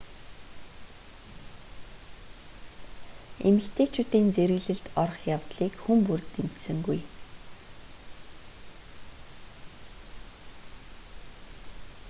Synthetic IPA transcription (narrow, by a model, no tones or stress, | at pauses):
emɘ̆ɬt̪ʰeːt͡ɕʰʊːt̪iːnt͡seɾɘ̆ɣɮɘ̆ɬt̪ɔrχjawt̪ɮiːkxumpurt̪ːem̥t̪sɘ̆ŋɡuj